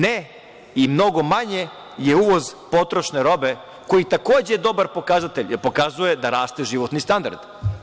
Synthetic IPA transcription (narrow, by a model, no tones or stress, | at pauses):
ne | imno̞ɡo̞maɲe | je̞uʋo̞zpo̞t̪ɾo̞ʃneɾo̞be̞ | ko̞jit̪akoːd͡ʑejed̪o̞baɾpo̞kazat̪e̞ʎjeɾpo̞kazuje̞d̪aɾaːst̪e̞ʒiʋot̪nist̪and̪a̰ɾd̪̥